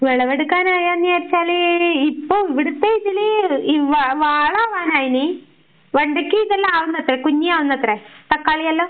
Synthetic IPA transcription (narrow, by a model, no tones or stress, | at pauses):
ʋeɭɐʋeɽukːaːnaːjaːnːieːɾt͡ɕːaːleipːoːiʋiɽut̪ːeiðiliiʋaʋaːɭaːʋaːnaːjini | ʋɐɳɖɐkʲːɨiðɐlːɐaːʋunːɐt̪ːrekuɲːiaːʋunːɐt̪ːret̪ɐkːaːɭijɐlːoː